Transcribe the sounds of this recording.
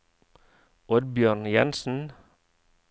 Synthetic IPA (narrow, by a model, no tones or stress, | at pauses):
ɔɾbjøːɳjɛ̰nsn̩